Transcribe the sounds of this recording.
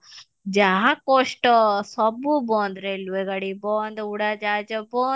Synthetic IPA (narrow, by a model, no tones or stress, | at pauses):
d͡ʒaɦakoʂʈsɐbuboːnd̪ɾeilːʋeɡɐɽibond̪euɽad͡ʒaːd͡ʒɐboː